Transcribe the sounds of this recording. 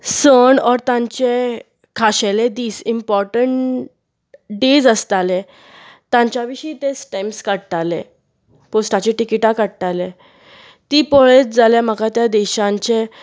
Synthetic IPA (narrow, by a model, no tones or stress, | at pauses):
səɳɔɾt̪ãɲt͡ɕe | kʰaɕeled̪iːsimpɔɾʈəɳ | ɖed͡zəst̪ale | t̪ãɲt͡ɕjaʋiɕiːt̪et͡sʈajmskəɽt̪alḛ̃ | posʈat͡ɕeʈikiʈakəɽt̪ale | t̪iːpɔɭet͡sd͡zaljam̤əkat̪jad̪ɛɕãɲt͡ɕe